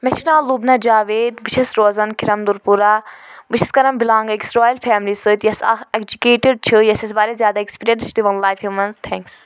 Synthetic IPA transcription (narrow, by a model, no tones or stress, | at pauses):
meʃnaːlubnɐd͡ʒaːʋeːd̪bɨt͡ʃʰɐsɾoːzɐnkʰiɾɐmd̪uɾpuɾaːbɨʃʰiskɐɾɐmbilãːŋɡeksɾoːjlfʰɛːmlisɨt̪jɐsa̰ekd͡ʒukeːʈiɖ̚t͡ʃʰɨjɐsɐsbaːɾezjaːd̪aekspiːɾʲijɐɳʈt͡ʃʰd̪iʋɐnlaːjfjuːmɐnzt̪ʰɛ̃ːŋks